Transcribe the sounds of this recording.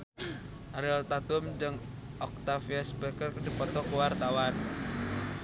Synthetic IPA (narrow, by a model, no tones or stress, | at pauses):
ʔaɾiɔlt̪at̪umd͡ʒɨŋ | ʔɔk̚t̪afiaspɛkərkədipɔt̪ɔkuwart̪awan